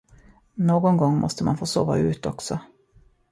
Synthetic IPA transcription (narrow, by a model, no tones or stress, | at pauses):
noːɡɔnɡɔŋːmʔɔ̰st̪əma̰nfoːso̰ːva̰ʉ̟ːt̪ɔksɔ